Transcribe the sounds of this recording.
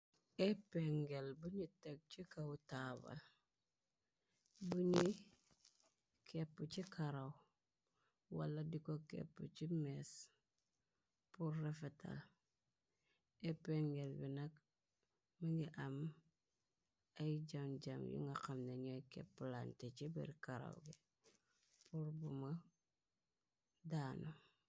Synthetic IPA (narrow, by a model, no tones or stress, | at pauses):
epeŋɡelbuɲiteɡ̚t͡ʃikautaba̰l | buɲi | kʰepːut͡ʃikaɾaw | wa̰lːadikokḛpːṵt͡ʃimes | puɾːefeta̰l | epeŋɡelbinak | miŋɡiʔam | aɟamɟamjṵŋɡaqamneɲojkḛpːulantet͡ʃibḭɾikaɾa̰wɡe | puɾbuma | daːno